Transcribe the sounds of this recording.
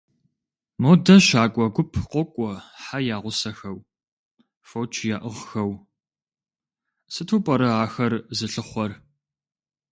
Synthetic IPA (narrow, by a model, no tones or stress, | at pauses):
moːdɐʃaːkʷʼɔɡʷʊpʰqʷɔkʷʼɔħajaːʁʷʊsɐxɐw | fowt͡ʃʰjaːʔɨʁxɐw | sɨtʰuːpʼɐɾɐaːxɐrzɨɬɨχʷɔr